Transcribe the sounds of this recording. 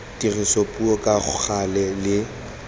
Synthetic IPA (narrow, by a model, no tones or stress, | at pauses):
dirisopʼuɔkʼaχʊ̰χalɛlɪ